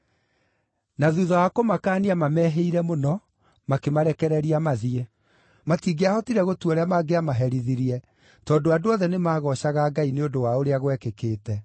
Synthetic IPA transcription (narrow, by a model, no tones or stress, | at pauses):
naðuðɔwakomakaːniamamɛːɦeiɾɛmonɔ | makemaɾɛkɛɾɛɾiamaðiɛ | matiːɡeahɔtiɾɛɣotuɔɾɛamaɡeamaɦɛɾiðiɾiɛ | tɔːdoadoɔðɛnemaːɣɔɕaɣaːɡaineodowaoɾeaɣwɛkekeːtɛ